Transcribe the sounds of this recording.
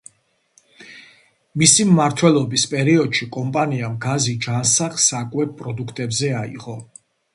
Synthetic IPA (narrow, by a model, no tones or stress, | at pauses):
misimːaɾt̪ʰwɛlˠɔbispʼɛɾiɔd̪̥ʃikʼɔmpʼaniamɡazid͡ʒansaχsakʼwɛp̚pʼɾɔd̪ukʰt̪ʼɛbzɛaḭʁɔ